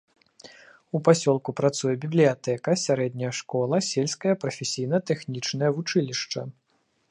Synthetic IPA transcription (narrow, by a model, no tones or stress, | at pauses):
upasʲɔlˠkupɾat̪sujɛbʲiblʲijat̪ɛkɐsʲaɾɛd̪̚ʲnʲɐjɐʂkɔlˠɐsʲelʲsʲkɐjɐpɾɐfʲesʲijn̪ɐt̪ɛxnʲit͡ʂnɐjɐvut͡ʂɨlʲiʂt͡ʂɐ